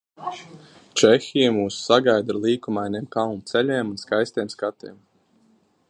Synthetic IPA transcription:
t͡ʃɛxʲijamuːssaɡajd̪ɾlˠiːkumajnʲeːmkalˠnut̪sɛlʲɛːmunskajst̪eːmskat̪eɛm

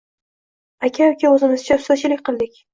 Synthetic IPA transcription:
akʲʰaokʲʰaɵzɪnɪzt͡ʃʰapsazt͡ʃʰɪlɪk̚ʲqʰɨlˠd̪ɪkʲ

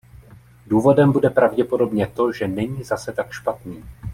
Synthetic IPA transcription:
duːvo̞dɛmbudɛpɾavɟɛpo̞do̞bɲɛt̪o̞ʒɛnɛɲiːzasɛt̪akʃpat̪niː

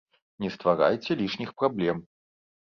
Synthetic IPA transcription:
nʲɛst̪vaɾa̰jt͡sʲɛlʲiʂnʲixpɾablʲɛm

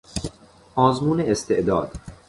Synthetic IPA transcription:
ʔɒːzmuːneːst̪ʰe̞ʔd̪ɒːd̪̥

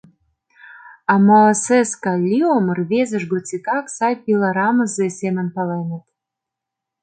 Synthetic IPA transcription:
ɑmoseskɑlʲiomərβezə̆ʃɡot͡sʲit̪ɑksɑjpʲilˠɑɾɑməzesemə̆npɑlejnə̆t̪

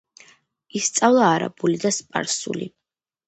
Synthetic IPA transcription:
ist̪sʼavlˠaːɾa̰bulid̪aspʼa̰ɾsṵlḭ

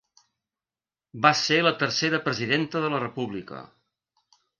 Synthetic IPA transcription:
baselət̪əɾseɾəpɾəziðent̪əðələrəpuβlikə̰

